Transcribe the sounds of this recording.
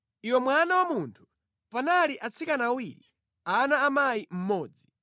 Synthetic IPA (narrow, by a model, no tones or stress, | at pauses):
iwɛmwanawamuntʰu̥ | panaliʔat͡sʰikanawiɾḭ | anaːmajim̩mɔːd͡zi